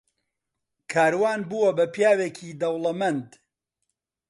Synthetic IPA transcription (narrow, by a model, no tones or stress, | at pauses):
kʰaːɾwaːnbuwɐbɐpjaːweːkʰiːd̪ɐwlɐmɐnd̪